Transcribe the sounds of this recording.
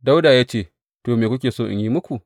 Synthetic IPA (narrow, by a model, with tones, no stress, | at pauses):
da˦wdaː˨jaː˦t͡ʃeː˦˨ | toː˨meː˨kʷʊ˦k̬ʲeː˨soː˦˨ʔɪ̰˨jiː˦mʊ˦kʷu˨